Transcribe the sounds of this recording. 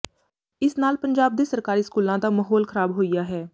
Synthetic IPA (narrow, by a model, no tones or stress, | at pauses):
ɪsnaːlpəɲd͡ʒaːb̚d̪eːsəɾkaːɾiːskuːlãːd̪aːməɦoːlkʰəɾaːbɦoːijaːɦɛː